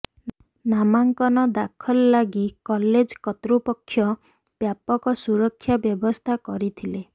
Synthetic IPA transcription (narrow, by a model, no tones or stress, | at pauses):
namaŋkɔnɔd̪akʰɔlːaɡikɔled͡ʒkɔt̪ɾupɔkʰːjɔ | b̥japɔkɔsuɾɔkʰːjabjɔbɔst̪ʰakɔɾit̪ʰile